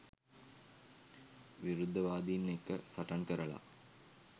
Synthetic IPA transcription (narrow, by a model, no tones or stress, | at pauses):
ʋiɾud̪ʱːɐʋaːd̪inːekːəsɐʈɐnkəɾəɭa̰